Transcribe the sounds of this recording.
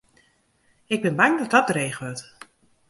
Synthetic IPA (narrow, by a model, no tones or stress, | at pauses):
ɪɡ̚bɪnbaŋdɔt̚dɔt̚dreːχʋøt